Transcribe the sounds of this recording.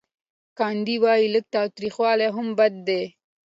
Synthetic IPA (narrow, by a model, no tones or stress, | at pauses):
kɑnd̪iwɑjilək̚t̪ɑwt̪ɾixwɑleɦʊmbad̪̚ːe